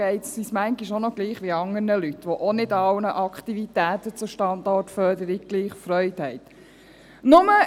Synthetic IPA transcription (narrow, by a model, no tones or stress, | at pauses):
ɛɪtsismæŋɡiʃonoɡ̥liːχʋiɑŋːərnəlyt̪ʋɔʔonɪdɑwnəʔɑkχt̪ivitæːt̪ət͡sʊʃtɑndɑːtfœdəɾiɡ̚ɡ̥liːχfɾœʏthɛɪt̪ | nʊmə